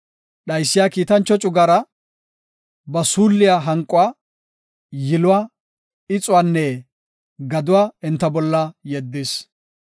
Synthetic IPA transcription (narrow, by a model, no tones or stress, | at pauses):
ɗɐjsːɪjakiːt̪ɐnt͡ʃːɔt͡ʃʼʊɡɐɾɐ | bɐsuːlːɪjaɦɐŋkʼʊa | jɪlʊwa | ɪt͡sʼʊwaːnːɛ | ɡɐd̪ʊwaːɪnt̪ːɐbɔlːɐjɛd̪ːɪs